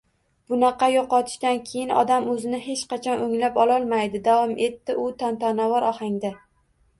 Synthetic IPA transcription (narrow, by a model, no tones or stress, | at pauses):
b̥ʊnɑqʰɑjoqɒt̪ʰɪ̥ʃd̪ankʲʰe̞jɪnɒ̰d̪amɵzɪnɪhe̞t͡ʃqɑt͡ʃʰɒnɵŋlapɒlˠɒlˠmajd̪ɪd̪avɒmʔe̞t̪ːɪʔʊt̪ʰant̪ʰɒnavɒɾʔɒhaŋd̪a